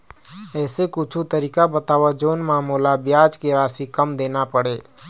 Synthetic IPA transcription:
ɛːsekʊt͡ʃʰut̪əɾiːkabət̪aːʋad͡ʒoːnmaːmoːlabjaːd͡ʒkeɾaːsikɐmd̪eːnapəɽeː

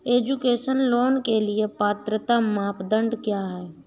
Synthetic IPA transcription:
eːd͡ʒukeːʃənloːnkeliepaːt̪ɾət̪amaːpd̪ə̃ɳɖkjaːɦɛː

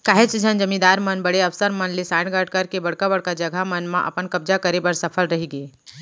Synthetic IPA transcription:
kaːɦet͡ʃd͡ʒʱənd͡ʒəmĩd̪aːɾmənbəɽeəʋsəɾmənlesãːʈɡəɖ̚kəɾkebəɽkabəɽkad͡ʒəɡʱamənmãʔɐ̰pənkəbd͡ʒakəɾebəɾsəpʰəlɾəɦiɡeː

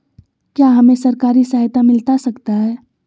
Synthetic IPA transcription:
kjaɦɐmẽsɐɾkaːɾisaːɦjt̪amɪlt̪asɐkt̪aɦɛː

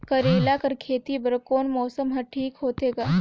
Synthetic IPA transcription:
kɐɾeːlakɐɾkʰeːt̪ibɐɾkoːnmɔːsəmɦɐʈʰiːkɦoːt̪eːɡaː

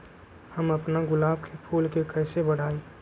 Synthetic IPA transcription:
həməpnaɡʊlaːb̚kʰepʰulkekəɪsebəɽ̤ʱaːi

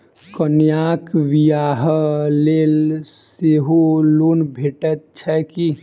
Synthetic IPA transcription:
kənjaːkʋijaːɦlelseɦolunbʱeʈət̪t͡ʃʰɛki

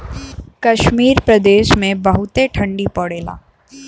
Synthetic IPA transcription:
kɐʃmiːɾpɾɐd̪eːʃmẽbɐɦʊt̪eʈʰɐ̃ɳɖipɔɽeːla̰ː

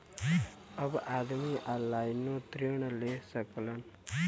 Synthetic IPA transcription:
əbad̪miʔalːajnot̪ɾiɽ̃lesəklən

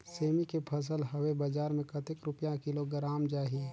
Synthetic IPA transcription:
seːmikepʰəs̬əlɦɐwebəd͡ʒaːɾmẽkɐt̪ɪkɾʊpjãkɪloɡɾaːmd͡ʒaːɦie

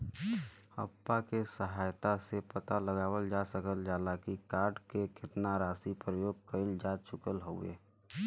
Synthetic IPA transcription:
hə̰pːakesəɦaːjt̪asepət̪aləɡaːwəld͡ʒasəkəld͡ʒaːlakikaːɾɖkekɪt̪naɾaːsipɾəjoːɡ̚kəɪld͡ʒaːt͡ʃʰʊkəlɦoḛː

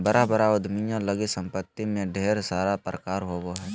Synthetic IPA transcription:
bəɾabəɾaʊd̪ʱmijõləɡisə̃mpət̪ːimẽɖʱeːɾsaːɾapɾəkaːɾɦoːɡoɦɛː

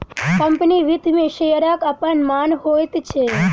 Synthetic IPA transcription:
kəmpəniʋɪd̪ʱmẽʃejɾakapəɳmanɦojt̪t͡ʃʰe

